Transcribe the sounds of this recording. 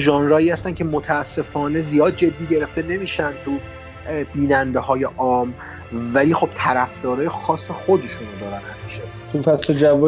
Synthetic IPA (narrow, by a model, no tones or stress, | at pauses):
ʒɒːnɾɒːiːhæst̪ænkʰʲcʰe̞mot̪ʰæːsːe̞fɒːne̞zijɒːd̪̚d͡ʒe̞d̪ːiːɟe̞ɾe̞ft̪e̞ne̞miːʃænt̪ʰu | biːnænd̪e̞hɒːje̞ʔɒːm | væliːxo̞b̥̚t̪ʰæɾæfd̪̥ɒːɾɒːjexɒːsːexo̞d̪e̞ʃunod̪ɒːɾænhæmiːʃe | t̪ʰufæsled͡ʒæo